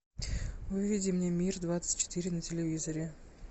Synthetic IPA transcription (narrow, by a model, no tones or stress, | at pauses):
vɨvʲidʲɪmnʲemʲird̪vat̪sə̥tʲt͡ɕːɪ̥t̪ɨɾʲɪnətʲɪlʲɪvʲizəɾʲɪ